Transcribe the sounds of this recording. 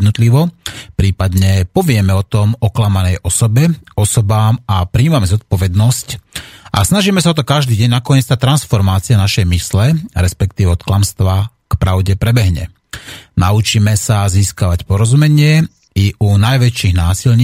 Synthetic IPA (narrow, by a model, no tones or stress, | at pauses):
d̪nɔt̪liʋɔpɾiːpad̪ɲɛpɔʋɪɛmɛɔt̪ɔmɔklamanɛjʔɔsɔbɛɔsɔbaːmapɾiːmamɛzɔt̪̚pɔʋɛd̪nɔscʔa̰snaʒiːmɛsaɔt̪̬ɔkaʒd̪iːɟɛɲnakɔɲɛt͡st̪at̪ːɾansfɔɾmaːt͡sianaʃɛjmislɛɾɛspɛkt̪iːʋɛɔt̪klamst̪ʋa | kpɾaʊɟɛpɾɛbɛɦɲɛ̰ | naut͡ʃiːmɛsaziːskaʋacpɔɾɔzumɛɲɪɛ | iʔunajʋɛt͡ʃiɣnaːsilɲiː